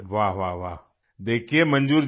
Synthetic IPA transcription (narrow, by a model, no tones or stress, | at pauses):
ʋaɦʋaʋaɦ | d̪eːkʰiemɐnd͡ʒuːɾ